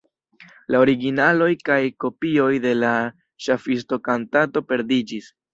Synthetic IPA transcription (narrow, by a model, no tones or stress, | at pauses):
lao̞ɾiɡinalo̞jkajko̞pio̞jde̞la | ʃafis̬to̞kantato̞pe̞ɾdid͡ʒis